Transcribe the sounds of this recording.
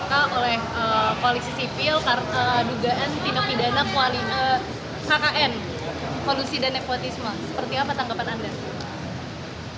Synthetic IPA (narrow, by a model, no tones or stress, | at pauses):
kaolɛhəkoalisisifɪlkaəduɡaʔant̪inapidanakoaliə | kakaʔɛn | kolusidanːepot̪ismasə̥pərt̪iapat̪aŋɡapananda